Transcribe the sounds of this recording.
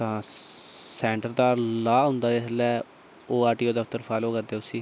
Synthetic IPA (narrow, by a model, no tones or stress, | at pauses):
t̪ãː | sɛːɳʈəɾd̪aːlaːɦʊ̃nd̪aːɪslɛː | oːaːʈiːoːd̪əft̪əɾfʰaːloːkəɾd̪eːʊsiː